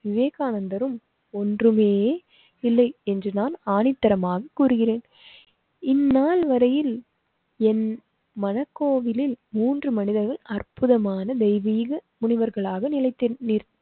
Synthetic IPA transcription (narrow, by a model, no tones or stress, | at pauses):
ʋɪʋeːɣaːnɐnd̪ɐɾɯm | ɔndrɯmeː | ɪlːɐɪɛndrɯnaːnaːnɪt̪ːɐɾɐmaːɣɐkːuːɾɯɣɪreːn | ɪnːaːlʋɐɾɐjɪl | ɛn | mɐnɐkːoːʋɪlɪlmuːndrɯmɐnɪðɐɾɣɐɭɐrpɯðɐmaːnɐd̪ɛɪʋiːɣɐmʊɳɪʋɐɾɣɐɭaːɣɐnɪlɐɪt̪ːɪniːɾ